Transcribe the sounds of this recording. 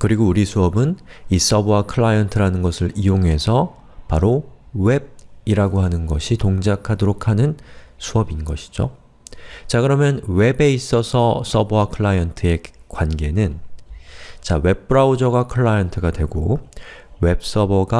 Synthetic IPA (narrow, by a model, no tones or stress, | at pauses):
kɯɾiɡouɾisʰuʌbɯnis͈ʌbakʰɯɭːajʌntʰɯɾanɯnɡʌsʰɯɾijoŋɦe̞sʰʌ | paɾowe̞b̚iɾaɡoɦanɯnɡʌɕʰitoŋd͡ʑakʰadoɾokʰanɯnsʰuʌbinɡʌɕʰi̥d͡ʑo̰ | t͡ɕakɯɾʌmjʌnwe̞be̞is͈ʌsʰʌs͈ʌbowakʰɯɭːajʌntʰɯe̞kwanɡe̞nɯn | t͡ɕawe̞p̚p͈ɯɾaud͡ʑʌɡakʰɯɭːajʌntʰɯɡadwe̞ɡo | we̞p̚s͈ʌbʌɡa